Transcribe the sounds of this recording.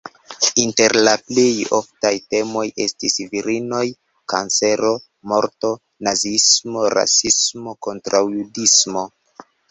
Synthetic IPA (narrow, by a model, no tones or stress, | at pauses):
inte̞ɾlaplejoftajte̞mo̞jʔe̞̰stisviɾino̞j | ka̰nse̞ɾo̞ | mo̞ɾto̞ | nazismo̞ɾa̰sismo̞ko̞ntɾawjudismo̞